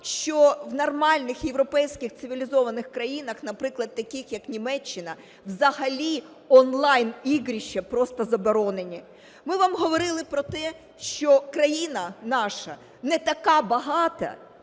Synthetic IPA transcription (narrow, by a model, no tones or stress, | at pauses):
ʃt͡ʃɔʋnɐrmɑlʲnɪxjeʋɾɔpɛjsʲkʲɪxt̪sɪʋʲilʲizɔʋɐnɪxkɾɐjinɐxnɐpɾɪklˠɐd̪̚t̪ːɐkʲɪxjɐknʲimɛt͡ʃːɪnɐ | wzɐɦɐlʲi | ɔnlˠɑjniɦɾʲiʃɐpɾɔst̪ɐzɐbɔɾɔnenʲi | mɪʋamɦɔʋɔɾɪlˠɪpɾɔt̪ɛ | ʃt͡ʃɔkɾɐjinɐnɑʃɐ | nɛt̪ɐkɑbɐɦɑt̪ɐ̰